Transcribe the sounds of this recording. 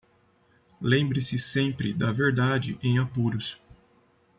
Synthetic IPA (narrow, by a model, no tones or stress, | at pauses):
lẽmbɾɪsɪsẽmpɾɪd̪ɐveɾd̪ad͡ʒɪʔẽj̃apuɾʊs